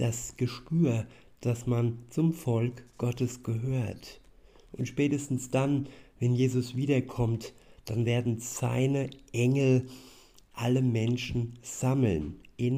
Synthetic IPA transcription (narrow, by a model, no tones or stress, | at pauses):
d̥asɡ̥əʃpyːɐ | d̥asmant͡sʊmfɔlkɡ̥ɔtəsɡ̥əɦøːɐt | ʔʊntʃpɛːtəstn̩sd̥anvɛnjeːzʊsv̥iːdɐkʰɔmtd̥anveːɐdn̩z̥a̰ɪnəʔɛŋl̩ | ʔaləmɛnʃn̩z̥aml̩nʔɪn